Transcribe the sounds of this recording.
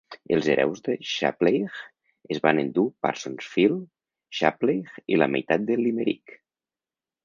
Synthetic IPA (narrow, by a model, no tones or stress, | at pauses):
əlˠzeɾʔɛ̰wzðəʃa̰plejɣ | əzβanənd̪upa̰ɾsonsfilˠ | ʃaplejɣiləmajt̪at̪̚d̪əliməɾḭk